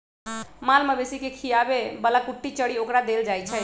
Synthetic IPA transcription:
malməbesikekʰijabebəlakuʈːit͡ʃəɽiokɾad̪eld͡ʒajt͡ʃʰɛ

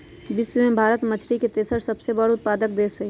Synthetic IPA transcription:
bɪswəmẽbʱaːɾət̪mət͡ʃʰɾiket̪eːsəɾsəbsebəɽʊt̪̚paːd̪ək̚d̪eːsə

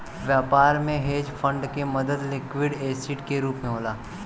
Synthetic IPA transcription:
ʋjaːpaːɾmẽɦeːd͡ʒfʰə̃ɳɖkemɐd̪əd̪lɪkwɪɖeːsɪʈkeɾuːpmẽɦoːlaː

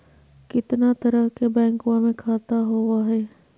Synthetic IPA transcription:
kɪt̪nat̪ɐɾəɦkebɛ̃ːŋkwãmẽkʰaːt̪aɦoːwaɦɛː

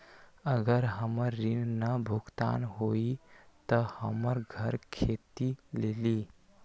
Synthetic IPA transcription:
əɡəɾɦəməɾːinnəbʱuɡt̪a̰nɦoit̪əhəməɾɡʱəɾkʰet̪ileli

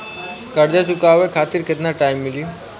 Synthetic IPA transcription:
kəɽd̪asukaʋekʰat̪iːɾkʰet̪naʈajimːiliː

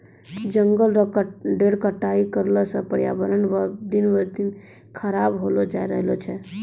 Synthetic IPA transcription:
d͡ʒəŋɡəlɖeɽkəʈːaikəɾlɔsə̃pəɾjabəɾənʋəd̪inʋəɾt̪in | kʰəɾabɦolod͡ʒaeɾəɦlɔt͡ʃʰɛ

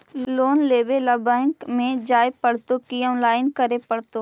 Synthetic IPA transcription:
loːnleːbelɐbəŋkmẽd͡ʒaːepəɽ̤t̪okijʊ̃nlaːɪnkəɾepɐɽt̪o

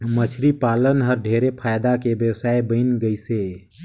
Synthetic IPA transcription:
mət͡ʃʰɾipaːlənɦəɾɖʱeːɾepʰaːjd̪akebjəwsaːebə̃ɪnɡəiseː

